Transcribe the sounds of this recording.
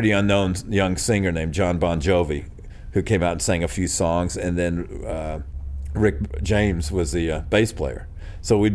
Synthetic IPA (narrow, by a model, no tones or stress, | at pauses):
ɾiʌ̃nːõʊ̃njʌ̃ŋsɪ̃ŋə˞nẽɪ̃md͡ʒɑ̃nbɑ̃nd͡ʒoʊvi | hʉkʰẽɪ̃maʊɾn̩sæ̃ŋɨfjʉsɔ̃ŋzɨ̃nðɨ̃n | ɹɪk̚d̥ʒ̥ẽɪ̃mzwʌzðɨb̥eɪspʰl̥ḛɪə̰˞ | soʊwi